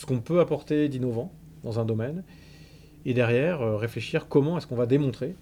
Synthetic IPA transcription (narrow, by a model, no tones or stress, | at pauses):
sə̥kɔ̃pøapɔʁt̪ed̪inɔvɑ̃ | d̪ɑ̃zɛ̃d̪ɔmɛn | ed̪ɛʁjɛʁøʁefleʃiʁkɔmɑ̃ɛskɔ̃vad̪emɔ̃t̪χe